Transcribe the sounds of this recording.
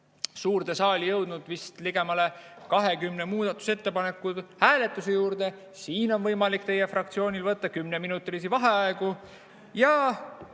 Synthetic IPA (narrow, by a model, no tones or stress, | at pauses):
suːrd̪e̞sɑːlʲijɤwd̪̥nud̪̥vist̪liɡe̞mɑle̞kɑɦe̞kymnemuːd̪̥ɑt̪ːˑu̥se̞t̪ːe̞pɑne̞kːˑud̪hæːle̞t̪ːˑuse̞juːrd̪e̞ | siːno̞nvɤjmɑlikt̪e̞je̞frɑkt̪sio̞ːnʲilvɤt̪ːɑkymne̞minut̪ːˑriːs̬ivɑɦe̞ɑeɡ̥u | jɑ